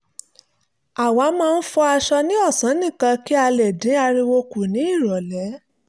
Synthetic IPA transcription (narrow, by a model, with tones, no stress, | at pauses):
a˨wa˨˧˦mãː˦˧n̩˦fɔ˦a˧ʃɔ˧nĩ˦ɔ˦˨sã˨˦nĩ˦˨kã˧ki˦a˧lɛ˨dĩ˨˦a˧ɾĩ˧wo˧ku˨nĩ˨˦i˦˨ɾɔ˨lɛ˨˦